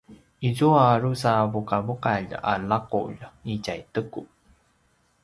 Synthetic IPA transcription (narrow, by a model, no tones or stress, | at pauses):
izuarusavukavuqaʎ̰a̰laqṵʎicajtəku